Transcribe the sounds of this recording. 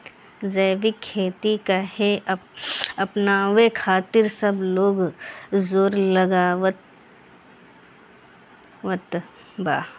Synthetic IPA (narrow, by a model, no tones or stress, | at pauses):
d͡ʒəːʋɪkʰːeːt̪ikaɦe | ɐpnaːʋekʰaːt̪ɪɾsɐbloːɡzoːɾlɐɡaːʋət̪ | ʋət̪ | baː